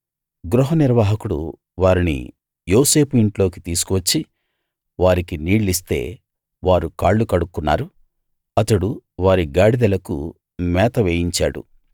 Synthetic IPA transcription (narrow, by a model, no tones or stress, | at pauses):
ɡɾuɦɐniɾʋaːɦɐkuɽṵ | ʋaːɾinḭ | jo̞ːse̞ːpuiɳʈlo̞ːkit̪iːs̬u̥kuʋɐt͡ʃːi | ʋaːɾikiniːɭlːis̬t̪e̞̰ː | ʋaːɾukaːɭːukɐɽukːunːa̰ːɾu | ɐt̪ɐɽuʋaːɾiɡaːɽid̪ɐlɐkṵ | mɛːt̪ɐʋeːjiɲt͡ʃaːɽṵ